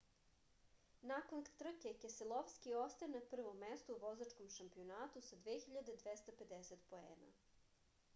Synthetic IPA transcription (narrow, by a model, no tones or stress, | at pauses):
nakont̪r̩kekeselˠoʋskiost̪aenapr̩ʋo̞mːest̪uuʋozat͡ʃkomʃampio̞naːt̪usad̪ʋeːxiʎad̪ed̪ʋest̪ape̞d̪eset̪po̞ḛːna̰